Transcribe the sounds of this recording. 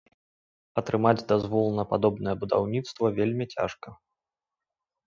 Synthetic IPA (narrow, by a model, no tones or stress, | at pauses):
ɐt̪ɾɨmad͡zʲd̪azvɔlˠnɐpad̪ɔbnɨjɛbud̪a̰wnʲit̪st̪vɐvʲelʲmʲit͡sʲa̰ʂkɐ